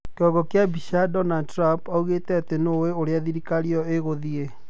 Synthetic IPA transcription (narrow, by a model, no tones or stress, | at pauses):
keɔɡɔkeabiʃadɔnadtɾapauɣetɛatenoweoɾeaðiɾikaɾiɔeɣoðie